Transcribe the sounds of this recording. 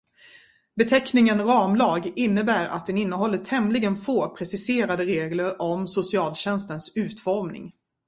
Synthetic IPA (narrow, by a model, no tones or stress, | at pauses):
bɛt̪ʰɛknɪŋənɾɑːmlɑːɡɪnːəbæːɾa̰t̪̚d̪ɛnɪnːəɦɔlːət̪ʰhɛmlɪɡənfoːpʰɾɛsɪseːɾad̪əɾeːɡləɾɔmsʊsɪɑːlɕɛnst̪ənsʉ̟ːt̪fɔɾmnɪ̰ŋ